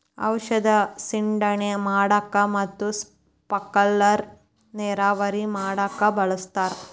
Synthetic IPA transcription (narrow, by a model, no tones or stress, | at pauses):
ɐ̰wʃɐd̪ɐsiɳɖɐɳemaːɽɐkːɐmɐt̪ːus | pɐkːɐlːɐɾ | neːɾaːʋɐɾimaːɽɐkːɐbɐɭɐst̪aːɾ